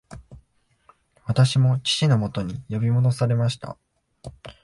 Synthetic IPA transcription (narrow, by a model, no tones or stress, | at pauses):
βat̪aɕimo̞t͡ɕi̥t͡ɕino̞mo̞t̪o̞ɲ̟ijo̞bʲimo̞d̪o̞saɾe̞maɕi̥t̪a̰